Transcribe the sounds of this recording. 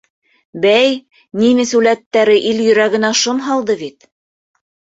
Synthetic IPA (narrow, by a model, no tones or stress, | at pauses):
bæj | nimɘsʉlæt̪ːæɾɘʔiljɵ̆ɾæɡɘ̆næʃonɦɑlˠd̪ɤβit̪̚